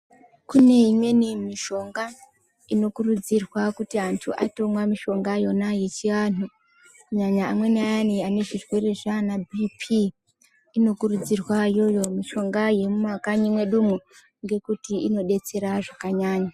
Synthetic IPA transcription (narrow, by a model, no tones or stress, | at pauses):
kune̞imwe̞nimiʃo̞ŋɡa | ino̞kurud͡zirwakutiantʰṵʔa̰to̞mwamiʃo̞ŋɡajo̞naje̞t͡ʃiʋaːnu | ɲaɲaːmwe̞naaniane̞ʐirwe̞re̞ʐanabʱipʰi | ino̞kurud͡zirwajo̞jo̞miʃo̞ŋɡaje̞mumakaɲimwe̞ɗumu | ŋɡe̞kutiino̞ɗe̞t͡se̞ɾaʐakaɲaːɲa